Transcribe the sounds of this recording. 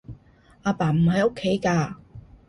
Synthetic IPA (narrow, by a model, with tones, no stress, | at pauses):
ʔaː˧paː˨˩m̩˨˩hɐ˨jo˥kʰːe˨˥jkaː˧